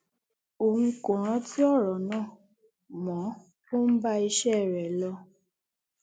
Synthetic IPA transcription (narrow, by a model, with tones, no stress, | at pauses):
o˨ŋ̩̃˧kõ˨ɾ̃ã˨˦ti˦ɔ˦˨ɾɔ˨nãː˦˨ | mɔ̃˨˦ | ko˦n̩˦ba˦i˧ʃɛ˦˨ɾɛ˨lɔ˧